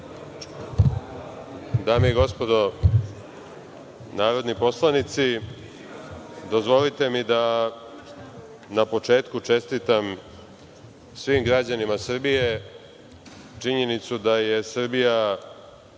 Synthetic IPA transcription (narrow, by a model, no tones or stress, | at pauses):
d̪aːmiiɡo̞spo̞d̪o̞ | naːɾo̞d̪nipo̞slˠanit̪si | d̪o̞zʋo̞lit̪e̞mid̪a | napo̞t͡ʂe̞ːt̪kut͡ʂe̞st̪it̪am | sʋimɡɾad͡ʑanimasr̩bije̞ | t͡ʃiɲe̞nit̪sud̪aje̞sr̩bija